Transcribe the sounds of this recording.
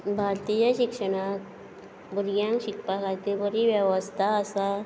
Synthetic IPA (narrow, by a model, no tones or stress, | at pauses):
bʱaɾt̪ijəɕikʂəɽ̃ak | buɾɡjãŋkɕikpakʰaɾt̪ibəɾiʋjəʋəst̪ʰaːsa